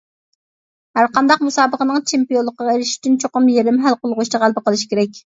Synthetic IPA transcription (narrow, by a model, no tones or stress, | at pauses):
hæɾqɑnd̪ɑqmusɑːbəqənɨŋt͡ʃʰempijolˠːəqəʁɑeɾɪʃi̥t̪ynt͡ʃʰoqʊmjeɾɪmɦælqolˠʁoʃt͡ʃ̪əʁælˠbɨqəlˠɨʃi̥kʲʰeɾɛk̚ʲ